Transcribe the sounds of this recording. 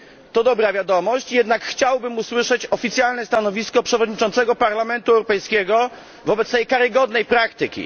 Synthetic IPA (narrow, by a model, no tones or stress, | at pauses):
t̪ɔd̪ɔbɾavʲjad̪ɔmɔɕt͡ɕjɛd̪nakxt͡ɕawbɘmuswɘʂɛt͡ɕɔfʲit̪sʲjalnɛst̪anɔvʲiskɔpʂɛvɔd̪ɲit͡ʂɔnt̪sɛɡɔpaɾlamɛnt̪uɛwɾɔpɛjskʲɛɡɔ | vɔbɛt̪st̪ɛjkaɾɘɡɔd̪nɛjpɾakt̪ɘkʲḭ